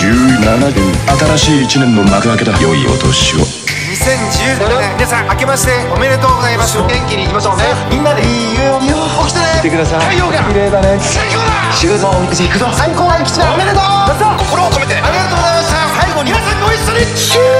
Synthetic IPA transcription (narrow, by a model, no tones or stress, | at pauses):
ɨːnanaat̪aɾaɕiːit͡ɕinẽmbonːakɯnake̞d̪ojoḭo̰t̪o̰ɕio̰ | ɲisẽ̞ɲd͡ʑɨːmʲinasãŋake̞maɕi̥t̪e̞ome̞ɾe̞t̪oːɡozaimasɨɡẽŋkʲiɲ̟iːkimaɕoːnemʲĩnːad̪eiːɾɯoɲ | oki̥t̪aneit̪e̞kɯd̪asaaoɡaiɾebane | o | ɕɨmõmʲikɯd͡ʑikɯ̟t̪osajkoaikʲi̥t͡ɕid̪aomeɾet̪omazokokoɾoːkomet̪eaɾʲiɡatt̪oːɡozajmaɕt̪asaiɡoɲiaaooi